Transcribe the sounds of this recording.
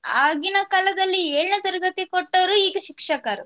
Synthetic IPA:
aːɡinɐkɐlɐd̪ɐlːieːɭnɐt̪ɐɾɐɡɐt̪ikoʈːɐʋɾuiːɡɐʃikʂɐkaːɾu

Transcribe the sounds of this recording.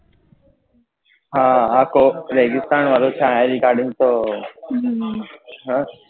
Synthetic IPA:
ɦãːaːkoːɾeːɡɪst̪aːnʋaloːt͡ʃʰãːẽːɾikaːɾɖĩŋt̪oː | ɦã

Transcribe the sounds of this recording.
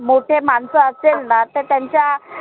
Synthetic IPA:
moʈʰemansəəselnat̪əɾt̪jaɲt͡ɕja

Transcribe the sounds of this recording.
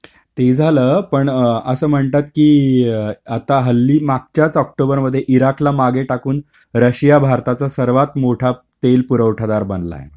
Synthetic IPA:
t̪ed͡zʱaləːpəɳəsəːm̤əɳt̪at̪kiː | at̪aɦəlːiːmak̚t͡ɕjat͡sɔk̚ʈobəɾməd̪ʱːjeʔiɾaklamaɡeʈakuːn | ɾəɕijabʱaɾt̪at͡sasəɾʋat̪moʈʰa | t̪elpuɾəʋʈʰad̪aɾbənla̰ḛ

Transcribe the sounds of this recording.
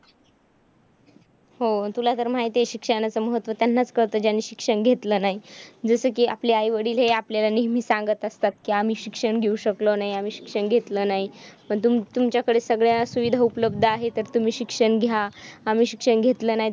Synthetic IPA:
ɦot̪ulat̪əɾm̤aɦit̪eeɕikʂənat͡səːməɦət̪ːʋət̪janːat͡skəɾt̪əːd͡ʑjanːiːɕikʂəɳɡʱet̪ləːnaɦid͡zəsəːkiːʔa̰pliajʋəɽiːlɦeapljalaniɦm̤iːsaŋɡət̪əst̪at̪̚kiːam̤iːɕikʂəɳɡʱeuɕəklonaɦiam̤iːɕi̥kʂəɳɡʱet̪ləːnaɦipəɳt̪umt̪umt͡ɕjakəɽesəɡɭjasuʋid̪ʱaupələb̚d̪ʱəaɦet̪əɾt̪um̤iːɕikʂəɳɡʱjaːm̤iːɕikʂəɳɡʱet̪ləːnaɦi

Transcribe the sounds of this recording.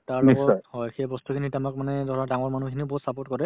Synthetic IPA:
taɹiɡɔstɔhɔjxejbɔstukʰinitamak̚manɛdɔɹadaŋɔɹmanukʰiniʊbɔɦutsapɔɹtkɔɹɛ

